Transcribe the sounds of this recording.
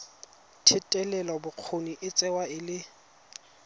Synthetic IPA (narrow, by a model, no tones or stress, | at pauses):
tʰɪtʼɛlɛlɔbʊq͡χʰoniʔɪt͡sʼɛwaɪlɪ